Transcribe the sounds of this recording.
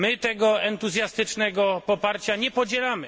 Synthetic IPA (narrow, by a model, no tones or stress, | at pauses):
mɘt̪ɛɡɔɛnt̪uzʲjast̪ɘt͡ʂnɛɡɔpɔpaɾt͡ɕaɲɛpɔd͡ʑɛlamɘ